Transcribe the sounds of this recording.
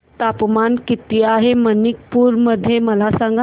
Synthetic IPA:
t̪apmankit̪iaɦemənik̚puɾməd̪ʱjeməlasaŋɡa

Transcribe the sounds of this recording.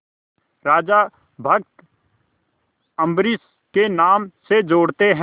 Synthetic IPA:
ɾaːd͡ʒa | bʱək̚t̪ | ə̃mbɾɪs | kenaːmsed͡ʒoːɽt̪eɦ

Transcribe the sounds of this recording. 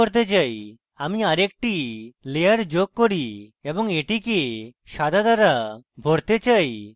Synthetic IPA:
oɾt̪̬et͡ɕaj | amiaɾek̚ʈilejaɾd͡ʑoɡ̚koɾiebɔŋeʈikeʃad̪ʱad̪aɾabʱoɽt̪et͡ɕaj

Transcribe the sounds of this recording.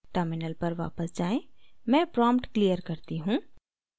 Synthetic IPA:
ʈəɾmɪnəlpɐɾʋa̰ːpəsd͡ʒaːẽmɛ̃ːpɾɔ̃ːmpʈklijəɾkɐɾt̪iɦũː

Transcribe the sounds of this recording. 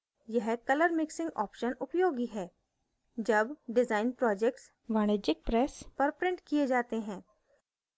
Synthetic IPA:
jɛɦkɐləɾmɪksɪ̃ŋɡɔ̰ːpʃənʊpjoːɡiɦɛː | d͡ʒɐbɖɪzaːɪnpɾɔːd͡ʒɛk̚ʈs | ʋaːñed͡ʒɪk̚pɾɛːspəɾpɾɪ̃ɳʈkied͡ʒaːt̪eɦɛ̃ː

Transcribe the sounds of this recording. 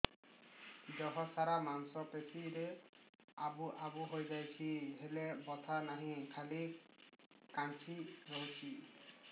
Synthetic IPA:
d͡ʒɔɦɔsaɾamansɔpetʰiɾe | abuʔabuɦojd͡ʒajt͡ʃʰiɦelebɔt̪ʰanaɦĩkʰali | kant͡ʃʰiɾowt͡ʃʰi

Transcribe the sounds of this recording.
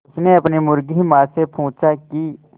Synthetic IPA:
ʊsneɐpnimʊɾɡimãːsepʰũːt͡ʃaki

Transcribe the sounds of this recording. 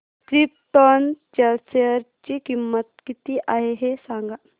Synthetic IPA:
kɾip̚ʈɔnt͡ɕelseəɾt͡ɕiːkimːət̪̚kit̪iːʔaɦeɦesãŋɡa

